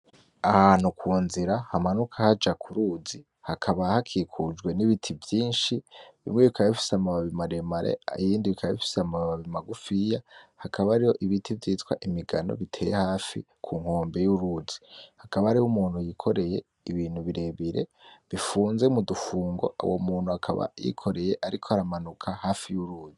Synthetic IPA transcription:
ahaːn̥ukʰuːnziɾahamanukʰahad͡ʒakʰuɾuzi | hakʰaβahakʰiːkʰud͡ʒɡwe̞niβitʰivjiːnʃiβḭmŋeβikʰaβaifi̥samaβaβimaɾe̞maɾḛijiːndiβikʰaβafi̥samaβaβaβimaɡufijahakʰaβaːɾiho̞ʔiβitʰivjiːtwa̰ʔimiɡano̞̰βitʰe̞ːjehaːfḭ | kʰuŋho̞ːmbe̞juɾuzi̥hakaβaːɾihomuːn̥hujikʰo̞ɾe̞je̞ | iβiːnhuβiɾe̞βiɾe̞̰βifuːnze̞mudufuːŋɡo̞̰ʔa̰womuːn̥uhakʰa̰βa̰jḭkʰo̞ɾe̞je̞ʔaɾikʰo̞haɾamanukʰahaːfijuɾuːzi

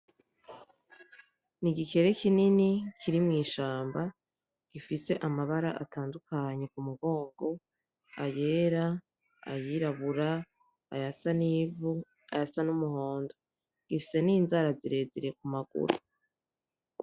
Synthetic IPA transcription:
niɡike̞ɾe̞kininikʰiɾimŋiːʃaːmba | ɡ̥ifise̞ʔamaβaɾaʔa̰tʰaːndukaɲe̞kumuɡo̞ːŋɡo̞ | aje̞ːɾa | a̰jiɾaβuɾa | a̰jasaniːvu | a̰jasanumuho̞ːndo | ɡ̥ifi̥se̞ninzaɾaziɾe̞ːziɾe̞k̚umaɡ̥ṵɾ̰u

